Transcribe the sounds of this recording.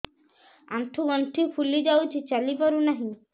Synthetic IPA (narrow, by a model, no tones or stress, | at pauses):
a̰nt̪ʰuɡɔnʈ̪ʰipʰulid͡ʒawt͡ʃʰit͡ʃalipaɾunaɦĩ